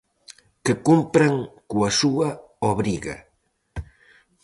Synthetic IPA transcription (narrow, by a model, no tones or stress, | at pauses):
kekumpɾaŋkuasua | oβɾiɣa̰